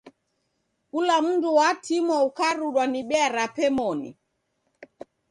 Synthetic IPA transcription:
kulam̩nduwatimɔukaɾuɗwaniɓɛaɾapɛmɔnḭ

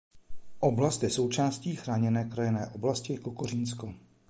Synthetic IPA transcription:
ʔo̞blast̪jɛso̞wt͡ʃaːsciːxɾaːɲɛnɛːkɾajɛnɛːʔo̞blascɪkokorinsko

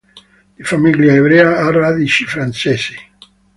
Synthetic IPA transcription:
d̪̥ifamiljaeβɾeaaraðit͡ʃi̥fɾant͡ʃesi

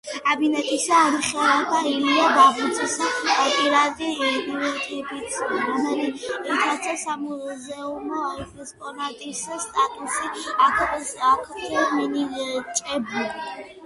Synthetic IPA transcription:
abinɛt̪ʼisaːɾiχɛlakʰailiad̪avit̪sʰʼisaɔpʼiɾad̪id̪vɛt̪ʰɛbit̪ananiitʰat̪sʰasamuzɛumɔɛkʼɛspʼɔnat̪ʼisast̪ʼat̪ʼusiakʰakʰɛminit͡ʃʼɛba

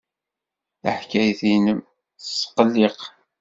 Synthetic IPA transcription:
ə̰ħkæjθinəm | sːqəlːiq

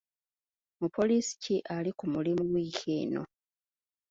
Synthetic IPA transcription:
mupʰo̞liːsi̥ciʔalikumulimuɡwiːkʰḛːno̰

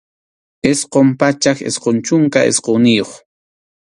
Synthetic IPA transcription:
esqompat͡ʃakḛsqont͡ʃʊŋkaʔḛsqownɪjoχ

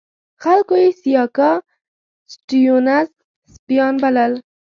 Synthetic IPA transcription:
xalkojesijɑkɑ | sʈijonaz | spijɑnbaləl

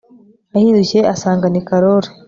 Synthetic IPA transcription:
ahiːɾuceasaːŋɡanikaɾoɾe

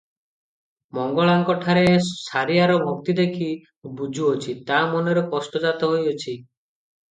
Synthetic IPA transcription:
mɔŋɡɔɭaŋkɔʈʰaɾesaɾijaɾɔbʱɔk̚t̪id̪ekʰi | bud͡ʒʱuot͡ʃʰit̪amɔneɾɔkɔsʈɔd͡ʒat̪ɔɦojot͡ʃʰi

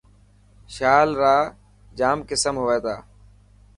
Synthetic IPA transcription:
ʃaːlɾaː | d͡ʒaːmkɪsəmɦoʋeːt̪aː

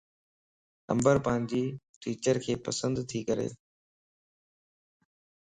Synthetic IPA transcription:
kə̰̃mbəɾpãːɪ̃ɲd͡ʑiː | ʈiːt͡ɕəɾkʰeːpəsə̃nd̪t̪ʰiːkəɾḛː

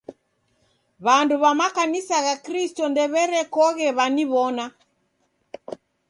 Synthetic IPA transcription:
βanduβamakanisaɣakɾistɔndɛβɛɾɛkɔɣɛβaniβɔna

